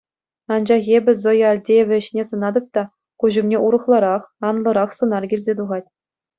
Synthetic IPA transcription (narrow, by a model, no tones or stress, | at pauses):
ɑnd͡ʑɑχʲebʲɘ̆zojɑlʲdʲejeʋʲɘ̆ɘ̆ɕnʲesɤ̆nɑd̪ɤ̆p̚t̪ɑ | kuʑŭmnʲeuɾɤ̆χlˠɑɾɑχɑnlˠɤ̆ɾɑχsɤ̆nɑrɡʲilʲzʲet̪uʁɑt̚ʲ